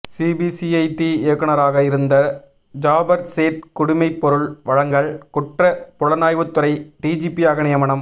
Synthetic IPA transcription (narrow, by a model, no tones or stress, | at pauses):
siːbisiɐɪʈieːkːɯɳɐɾaːɣɐɪɾɯnd̪ɐ | d͡ʒaːbɐɾseːʈ̚kʊɽɪmɐɪpːɔɾɯɭʋɐɻɐŋɡɐɭkʊʈrɐpʊɻɐnaːjʋɯt̪ːʊɾɐɪʈiːd͡ʒiːpiaːɣɐnɪjɐmɐɳɐm